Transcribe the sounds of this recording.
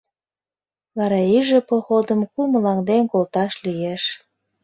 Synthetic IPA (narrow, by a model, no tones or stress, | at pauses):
βɑɾɑiʒepoxod̪əmkuməlɑŋd̪enkolt̪ɑʃlijeʃ